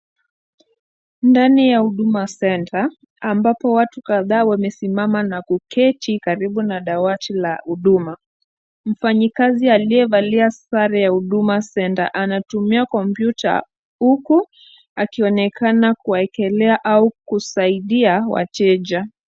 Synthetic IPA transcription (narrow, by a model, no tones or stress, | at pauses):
ndanijahuɗumasɛntʰaː | mbapɔwatukaðaːwamɛsimamanakukɛtʰikaɾiɓunaɗawatʰila̰huɗuma | m̩faɲikazialiɛvaliasaɾɛjahuɗumasɛnta̰ʔanatumiakɔmpjutʰa̰ | huku | akiɔnɛkanakuwaɛkɛlɛaʔaukusaiɗiawa̰tɛʄa